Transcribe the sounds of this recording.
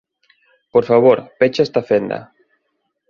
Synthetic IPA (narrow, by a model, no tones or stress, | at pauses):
poɾfaβoɾpet͡ʃaest̪afend̪ɐ̰